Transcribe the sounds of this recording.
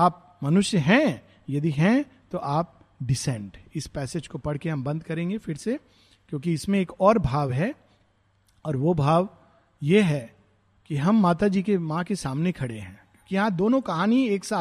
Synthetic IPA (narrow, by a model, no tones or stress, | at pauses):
aːp̚ | mɐnʊʃjəɦɛ̃ | jɐd̪iɦɛ̃ | t̪oʔaːp̚ | ɖɪsɛ̃ːɳɖɪspɛːseːd͡ʒkopɐɽ̤keɦɐmbɐ̃nd̪kɐɾẽːŋɡefɪɾse | kjõːkiɪsmẽeːkɔːɾbʱaːʋɦɛ | ɔːɾʋobʱaːʋ | jeɦɛ | kiɦɐmːaːt̪ad͡ʒiːkemãkesaːmnekʰɐɽeɦɛ̰̃ːkjõːkijɐɦãd̪oːnõkɐɦaːnieːksaː